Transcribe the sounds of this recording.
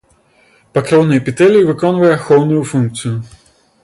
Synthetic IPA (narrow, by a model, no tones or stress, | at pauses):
pɐkɾɔwnɐjpʲit̪ɛlʲjivɨkɔnvɐjɛxɔwnujufunkt̪sɨju